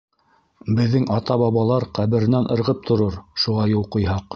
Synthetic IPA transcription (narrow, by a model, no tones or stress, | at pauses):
bɘ̆ðːɘŋɑt̪ɑβɑβɑlˠɑɾqæβɘ̆ɾɘ̆nænʔɤ̆ɾʁɤp̚t̪ʰŏɾoɾʃuʁɑjulˠqŏjɦɑq